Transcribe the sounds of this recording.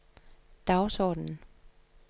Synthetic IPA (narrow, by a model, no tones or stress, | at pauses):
d̥ɑ̈ʊsɒ̰ːd̥n̩